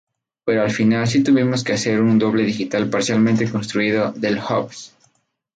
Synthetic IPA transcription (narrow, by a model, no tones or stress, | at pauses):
pe̞ɾoalfinals̬it̪uβimo̞ske̞ase̞ɾund̪o̞βle̞ðixit̪alpaɾsjalmẽnt̪eko̞nst̪ɾuið̞o̞ðe̞lxops